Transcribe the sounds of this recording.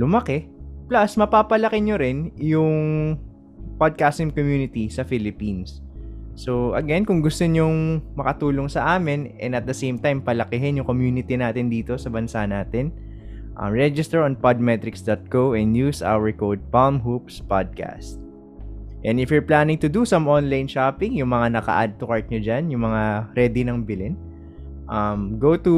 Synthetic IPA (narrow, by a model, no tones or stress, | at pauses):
lʊmɐkɛplɐsmɐpaːpɐlɐkɪɲoɾɪnjʊŋ | pad̪̚kast̪ɪŋkomjuːnɪt̪isɐfilɪpinsː | oʔɐ̰ɡɛnkʊŋɡʊst̪oɲoŋmɐkɐt̪uːloŋsɐʔaːmɪnɛ̰̃nd̪ɐt̪̚d̪ɐsejmt̪ajmpɐlɐkɪɦɪnjʊŋkomjuːnɪt̪inaːt̪ɪnd̪iːt̪o̞sɐbɐnsanaːt̪ɛn | ʔɐ̰mɹɛd͡ʒɪst̪ɛɹɔnpad̪̚mɛt̪ɾɪksd̪ot̪̚koʔɛnjusa̰wɛɹkowd̪̚palmɦupspad̪̚ka̰st̪̚ | ʔɛnd̪ɪfjʊɹplaːnɪ̃ŋt̪ʊd̪usɐ̃monlajnʃapɪŋjʊŋmɐŋanɐkɐ̰ʔad̪̚t̪ʊkɐɹt̪̚ɲod͡ʒanjʊŋmɐŋaɾɛd̪ɪnɐŋbɪlɪn | ʔɐmɡowt̪u